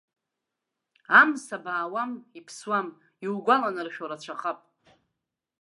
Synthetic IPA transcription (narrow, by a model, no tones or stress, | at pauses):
amsabaːwamipʰswam | iwɡʷalanɨrʃᶣoɾat͡ɕʷʰaχapʼ